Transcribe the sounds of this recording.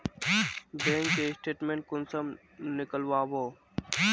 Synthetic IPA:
bẽːŋkkesʈeːʈmẽːɳʈ̚kʊnsəm | nɪkəlʋaːʋoː

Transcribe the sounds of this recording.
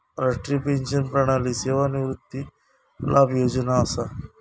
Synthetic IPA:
ɾaʂʈɾipẽnʃənpɾɐɽ̃aliseːʋaniʋɾut̪ːi | lʔabjoːd͡ʒnaːsa

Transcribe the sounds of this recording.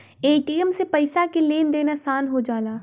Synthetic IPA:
eːʈiːəmsepɐɪsakeleːnd̪eːnasaːnɦod͡ʒaːlaː

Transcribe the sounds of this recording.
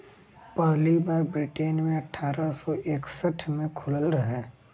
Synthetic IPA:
pəɦlibaːɾbɾɪʈeːnmẽɐʈʰːaːɾasɔʔeːksəʈʰmẽkʰʊləlɾɐɦɛː

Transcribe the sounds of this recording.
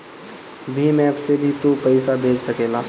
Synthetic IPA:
bʱimɛ̃ɐbsebʱit̪opəɪsabʱeːd͡ʒsəkeːlaː

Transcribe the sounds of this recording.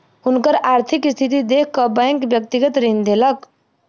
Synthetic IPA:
unkəɾaɾt̪ʰikst̪ʰit̪id̪ekʰːəbəŋkbjək̚t̪iɡət̪ɾind̪elək

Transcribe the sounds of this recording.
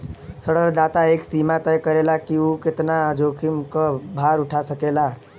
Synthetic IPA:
səɽəɾd̪aːt̪aeːksiːmat̪əjkəɾelakiukɪt̪nad͡ʒoːkʰimkəbʱaɾʊʈʰasəkela

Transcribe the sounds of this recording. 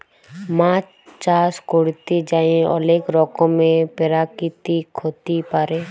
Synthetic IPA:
mãːt͡ʃ | t͡ʃaːskoɽt̪id͡ʒaːẽɔ̰leːkɾɔːkõmẽpɪɾakit̪ikʰoːt̪ipaːɾẽː

